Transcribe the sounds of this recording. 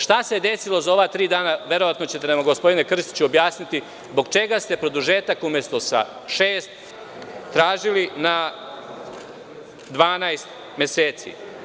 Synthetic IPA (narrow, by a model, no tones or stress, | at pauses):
ʃt̪ased̪esilo̞zaoʋat̪ɾiːd̪aːnaʋe̞ɾo̞ʋat̪no̞t͡ɕet̪enamaɡospo̞d̪inekr̩st̪i̥t͡ɕuobjaːsnit̪i | zbo̞ɡt͡ʃe̞ɡast̪e̞pɾo̞d̪uʒeːt̪akumje̞st̪o̞sa̰ | ʃeːst̪ː | ɾaːʒilina | d̪ʋaːnajst̪ | mʲjeseːt̪sḭ